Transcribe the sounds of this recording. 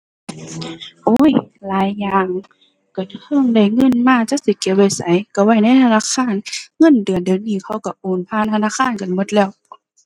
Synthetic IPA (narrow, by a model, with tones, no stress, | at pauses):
ʔoː˧˦˨jlaː˨˦jːaː˧˩ŋ | ka˧˩nhʰɤ˧˨ŋda˧˩jŋɤ˧˥˨nmaː˧˨t͡ɕa˧˦si˧˦ki˧˦wa˧˩jsa˨˦jka˧˩wa˧˩jna˧˥˨jt̪ʰa˧˥naː˧˥˨kʰaː˧˥˨nŋɤ˧˥˨ndɯ˨˩əndɯː˨˦ŋniː˧˩˨kʰa˧˩˨wka˧˩ʔoː˨˩npʰaː˧˥˨nt̪ʰa˧naː˧˥˨xʰaː˧˥˨nka˨nmo˧˦t̪̚lɛː˧˩w